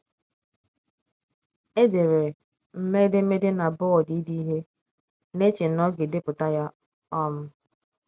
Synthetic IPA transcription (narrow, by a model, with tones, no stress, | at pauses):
e˦de˨ɾe˨ | m̩˨me˦dɪ˦me˦de˦na˨bʊ˦ɔ˨di˦di˦i˦ɦe˦ | ne˦t͡ʃe˨˦ɔ˦ɡe˨de˦pʊ˨ta˦ja˦ | ɔ˦m̩˦